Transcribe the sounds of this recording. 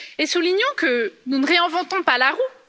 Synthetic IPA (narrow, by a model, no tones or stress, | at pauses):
esuliɲɔ̃kənunəʁeɛ̃vɑ̃t̪ɔ̃palaʁu